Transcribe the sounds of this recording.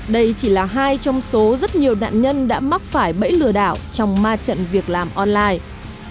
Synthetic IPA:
ɗə˧jt͡ɕi˧˩laː˨˩ɦaː˧jt͡ɕɔ˧wŋ͡mso˨˦zə˦˥t̚ɲi˨˩əwna̰ː˧˨nɲə˧nɗa̰ː˧˥ma˦˥k̚faː˧˩jɓə̰˧˥jlɨ˧˩əɗa̰ː˧˩˨wt͡ɕɔ˧wŋ͡mmaː˧t͡ɕə̰˧˨nvi˨˩ək̚laː˨˩mʔɔ˧nlaː˧j

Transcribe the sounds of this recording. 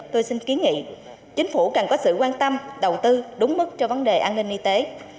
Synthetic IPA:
t̪o˧jsi˧nki˨˦əŋḭ˧˨ | t͡ɕï˨˦ŋ̟fu˧˩kə˨˩nkɔ˨˦sɨ̰˧˨kwaː˧nt̪ə˧mɗə˨˩wt̪ɨ˧ɗʊ˨˦ŋ͡mmɨ˦˥k̚t͡ɕɔ˧və˨˦nɗe˨˩ʔaː˧nːï˧ŋ̟ʔi˧t̪e˨˦

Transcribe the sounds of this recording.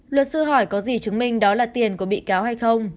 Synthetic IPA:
lwə˨˩t̚sɨ˧əɦɔ˧˩jkɔ˨˦zi˨˩t͡ɕɨ˨˦ŋmï˧˩ŋ̟ɗɔ˨˦laː˨˩t̪i˨˩ənku˧˩əɓḭ˧˨kaː˨˦wha˧jxə˧wŋ͡m

